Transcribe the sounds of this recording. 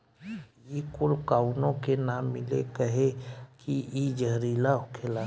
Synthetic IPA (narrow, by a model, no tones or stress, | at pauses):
ikʊlkaːʊnõkenaːmːɪlḛkəɦekiid͡ʒəɦɾiːlaɦʊkʰela